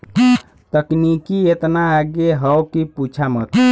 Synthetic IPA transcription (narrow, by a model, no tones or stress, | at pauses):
t̪əknikiet̪naːɡeɦəwkiput͡ʃʰamə̰t̪ʰ